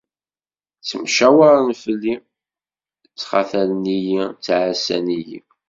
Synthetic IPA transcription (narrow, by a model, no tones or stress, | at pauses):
t͡sːəmʃæwaɾˤnfəlːi | t͡sːχa̰θælnijit͡sːʕasæ̰nijḭ